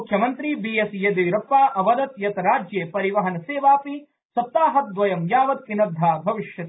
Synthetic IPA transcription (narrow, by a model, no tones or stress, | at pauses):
kʰjɐmɐnt̪ɾibiːjesjɐd̪ijɾɐpːaːʔɐʋɐd̪ɐt̪jɐt̪ɐɾaːd͡ʒjeːpɐɾiʋɐɦɐnɐseːʋaːpi | sɐt̪ːaːɦɐt̪̚d̪ʋɐjɐmjaːʋɐt̪ʋinɐd̪ʱːaːbʱɐʋiʃjɐt̪